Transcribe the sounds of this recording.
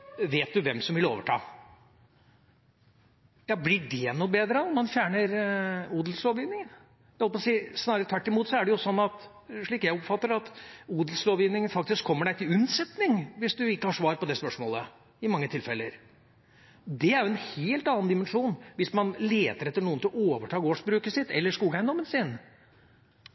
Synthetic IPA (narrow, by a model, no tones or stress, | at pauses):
ʋeːt̪̚d̪ʉʋɛmsɔmʋɪlo̰ːʋəʈʰɑ̰ː | jɑːblɪɖɛnubeːd̪ɾənɔnmɑnfjæːɳəɾuːd̪l̩sloːʋjɪːnɪŋn | ɛhɔlpɔːsiːsnɑːɾət̪ʰʋæʈːɪmuːt̪sɔæɖɛjʊsɔnːɑt̪ | ʂɭiːkjæɪɔpfɑt̪ːəɾɑt̪uːd̪lsloːʋjɪʋnɪŋənfɑk̚t̪ɪskʰːɔmːəɖæɪt̪ʰɪlʉnsɛt̪nɪŋʋɪsd̪ʉɪkːəhɑʂʋɑːɾpɔd̪ɛspœʂmoːlə̰ | ɪmɑŋːət̪ʰɪlfɛlːəɾ | d̪ɛæɾjʊɛnheːlt̪ɑnɑnd̪ɪmənʂuːnʋɪsmɑnleːt̪əɾɛt̪ːəɳuːənt̪ɪloːʋəʈʰɑːɡoːʂbɾʉːkəsɪt̪ːɛ̰lːəʂkuːɡəæɪnd̪ɔmːənsɪn